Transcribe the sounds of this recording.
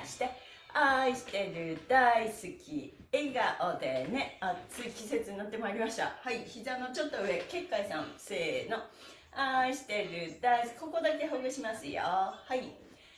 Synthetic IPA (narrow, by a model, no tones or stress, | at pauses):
ɕi̥t̪e̞ | aiɕi̥t̪e̞ɾɯ̟d̪̥aisɨkʲi | e̞ɡaʔod̪e̞ne̞at͡sɨikʲise̞t͡sɨɲĩnat̪ːe̞maiɾʲimaɕt̪a̰haiçizãno̞t͡ɕo̞t̪ːo̞ɯ̟e̞ke̞kːaisã̰ñse̞ːno̞ | aiɕi̥t̪e̞ɾɯ̟d̪aisko̞ko̞d̪ak̬e̞ɦoːɡɯ̟ɕimasɨjo̰hai